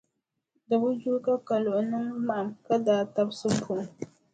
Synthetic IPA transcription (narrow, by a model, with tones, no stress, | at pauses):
dɨ˨bu˦d͡ʒu˦ka˦ka˨lʊ˨ʔʊ˨nɨ˦ŋːa˨ʔa˨mka˦daː˨ta˦bsɨ˦ku˨